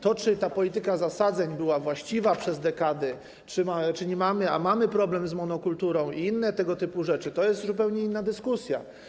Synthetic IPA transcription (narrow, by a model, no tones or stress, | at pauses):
t̪ɔt͡ʂɘt̪apɔlʲit̪ɘkazasad̪zɛɲbɘwavwaɕt͡ɕivapʂɛzd̪ɛkad̪ɛ | t͡ʂɘmat͡ʂɘɲɛmamɘa̰mamɘpɾɔblɛmzmɔnɔkult̪uɾɔ̃w̃iinːɛt̪ɛɡɔt̪ɘpuʐɛt͡ʂɘt̪ɔjɛst̪zupɛwɲɛinːad̪ɘskusʲja̰